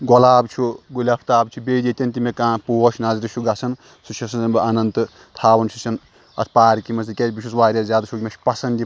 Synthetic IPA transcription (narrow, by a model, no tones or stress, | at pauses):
ɡɔlaːbt͡ʃʰuɡulʲapʰt̪aːbt͡ʃʰubeːd̪it̪ʲɐnt̪imekãːpuoʃʰnazɾiʃʰuɡɐsʰɐn | sut͡ʃʰɐsɐnsɐnbɨʔɐnɐnt̪ɨ | t̪ʰaːbɐnsʰut͡ʃʰɐn | ɐ̰t̪ʰpaːɾkimɐsikʲebiʃusʋaːɾʲɐzʲjaːd̪ɐt͡ʃʰukʲmɐt͡ʃʰpɐsɐnd̪i